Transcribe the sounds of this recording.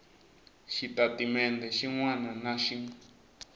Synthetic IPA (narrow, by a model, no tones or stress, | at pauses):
ʃit̪at̪imẽnd̪eʃiŋw̃ãnãnãʃiŋ